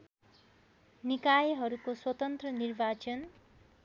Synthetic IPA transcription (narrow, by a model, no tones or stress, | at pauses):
nikajɦʌɾukoswʌt̪ʌnt̪rʌnirbat͡sʌn